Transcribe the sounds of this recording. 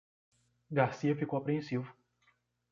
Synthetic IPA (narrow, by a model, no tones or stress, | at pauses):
ɡaɾsiɐfikowapɾẽsivʊ